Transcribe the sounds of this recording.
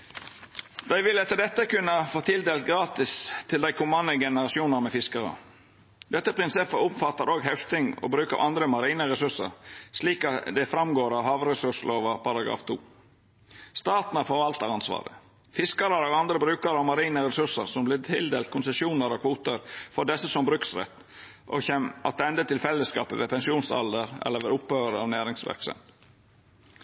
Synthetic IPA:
d̪æɪʋɪlɛt̪ːəd̪ɛt̪ːəkʉnːəfoːt̪ʰɪld̪eːlt̪̚ɡɾɑːt̪ɪst̪ʰɪld̪æɪkʰʊmɑnːəɡɛnəɾɑsɪuːnəɾmɛfɪskəɾə̰ | d̪ɛt̪ːəpʰɾɪnsɛfəʊmfɑt̪ːɑɾoːɡɦæʉst̪ɪŋɔ̰ːbɾʉːkɑ̰ʋʔɑnd̪ɾəmɑɾiːnəɾɛsʉʂə̰ɾʂliːkɑt̪d̪ɛfɾɑmɡoːɾɑːʋhɑːʋɾɛsʉʂloːʋɑpʰɑɾɑɡɾɑ̰ːft̪ʰṵː | st̪ɑːt̪n̩ɑɾfɔɾʋɑlt̪ɑɾɑnsʋɑ̰ːɾə̰ | fɪskɑɾəɾoːɡɑnd̪ɾəbɾʉːkɑɾɑʋmɑɾiːnəɾɛsʉʂəɾsɔmblɪt̪ʰɪld̪eːlt̪̚kʰʊnsəsjuːnəɾɔkʰʋuːt̪əɾfɔɖɛsːəsɔmbɾʉːksɾɛ̰t̪ː | ʔɔ̰çɛmɑt̪̚d̪ɛnd̪ət̪ɪlfɛlːəskɑ̰ːpəʋepʰɛnsɪuːnsɑ̰ld̪əɾɛ̰lːəɾʋɛɾʊpːøːəɾəɑːʋnæːɾɪŋsʋæ̰ɾksə̰n

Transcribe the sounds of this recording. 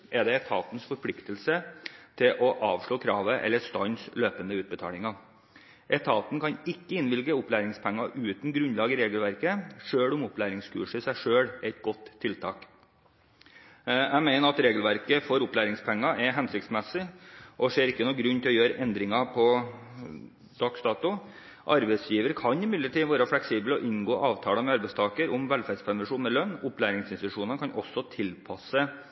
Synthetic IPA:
ʔɛd̪ɛɛt̪ʰɑːt̪n̩sfɔɾpʰlɪkt̪əlsət̪ʰɪlʔɔʔɑːʋʂɭoːkʰɾɑːʋəʔɛ̰lːəst̪ɑnsløːpənd̪əʉːt̪̚bət̪ʰɑ̰ːlɪŋɑ | ʔɛt̪ʰɑːt̪n̩kʰɑnɪkːəɪnʋɪlɡəʊplæːɾɪŋspʰɛŋːɑʔʉːt̪n̩ɡɾʉnlɑːɡəɾeːɡəlʋæɾkəʂøːɽʊmʊplæːɾɪŋskʰʉ̰ːʂɪsæɪʂøːɽɛt̪̚ɡɔt̪ʰːɪlt̪ʰɑ̰ːk | æmæɪnəɾɑt̪ɾeːɡəlʋæɾkəfɔɾʊplæːɾɪŋspʰɛŋːɑʔɛɦɛnsɪk̚t̪smɛsɪʔɔʂeːɾɪkːənuːɡɾʉnt̪ʰɪlɔjøːɾəʔɛnd̪ɾɪŋɑpʰɔ | d̪ɑːkst̪ɑːt̪ʊ | ʔɑ̰ɾbæɪsjiːʋəɾkʰɑnɪmɪd̪ləʈiːʋæːɾɑfɽɛksiːbəlɔʔɪŋɡoːʔɑːʋt̪ʰɑːləmɛɑɾbɛɪst̪ʰɑːkəɾʊmʋɛlfæɖspʰæɾʋɛʂuːnɛlœnːʊplæːɾɪŋsɪnst̪ɪt̪ʉʂuːnɑnkʰɑnʔɔsːɔt̪ʰɪlpʰɑsə

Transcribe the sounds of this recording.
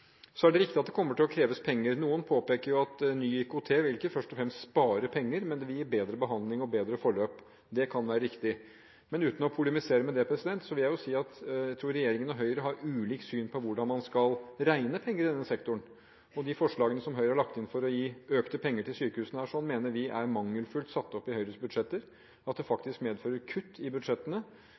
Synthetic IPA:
sɔæɖɛɾɪkt̪ɪɑt̪̚d̪ɛkʰɔmːəʈɪlɔkʰɾeːʋəspʰɛŋːəɾnuːənpʰoːpeːkəɾjʊɑt̪nyːɪkʊʊt̪ʰeːʋɪlɪkəfœʂʈɔfɾɛmst̪spɑːɾəpʰɛŋːəɾmɛnd̪ɛʋɪljiːbeːd̪ɾəbəɦɑnd̪lɪŋɔbeːd̪ɾəfɔɭøːp | d̪ɛkʰɑnʋæːɾəɾɪkt̪ɪ | mɛnʉːt̪n̩ɔpʰʊlɛmɪseːɾəmɛd̪ɛpʰɾɛsɪd̪ɛnt̪sɔʋɪljæɪjʊsiːɑt̪jæɪt̪ʰɾuːɾɛjeːɾɪŋənɔɦœʏɾəɦɑɾʉːliːksyːnpʰɔʋʊɖɑnmɑnskɑlɾæɪnəpʰɛŋːəɾɪd̪ɛnːəsɛkt̪ʊɳ | ɔd̪ɪfɔʂɭɑːɡənəsɔmɦœʏɾəhɑɭɑk̚t̪ɪnfɔɾɔjiːøːkt̪əpʰɛŋːəʈʰɪlsyːkəhʉːsnəhæːʂɔnmeːnəɾʋɪʔæɾmɑŋːəlfʉlt̪sɑt̪ːɔpːɪhœʏɾəsbʉd̪ʂɛt̪ːəɾ | ɑt̪̚d̪ɛfɑkt̪ɪskmeːd̪føːɾəɾkʰʉt̪ʰːɪbʉd̪ʂɛt̪ːənə

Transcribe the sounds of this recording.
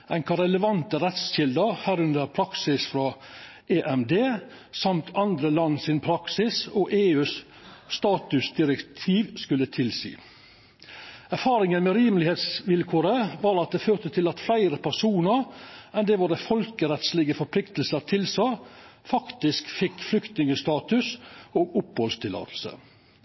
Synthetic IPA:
ʔæɪŋkɑɾɛləʋɑnt̪əɾɛt̪sɕɪld̪əɾhæːɾʉnd̪əɾpʰɾɑksɪsfɾɑʔeːʔɛmd̪eː | sɑmt̪ʰɑnd̪ɾəlɑnːsɪnpʰɾɑksɪsɔːʔeːʉːs | st̪ɑːt̪ʉsd̪ɪɾɛkt̪ʰiːʋskʉlːət̪ʰɪlsḭː | æɾfɑːɾɪŋənmeːɾiːməlɪheːt̪sʋɪlkʰoːɾəʋɑːɾɑt̪̚d̪eːføːɾt̪ət̪ʰɪlɑt̪flæɪɾəpʰæsuːnəɾɛnd̪ɛːʋɑd̪əfɔlkəɾɛt̪slɪɡəfɔɾpʰlɪkt̪l̩səɾt̪ʰɪlsɔfɑkt̪ɪskfɪkːflʏkt̪nɪŋəst̪ɑːt̪ʉsoːɡʊphɔlst̪ʰɪlɑ̰ːt̪ʰl̩sə̰

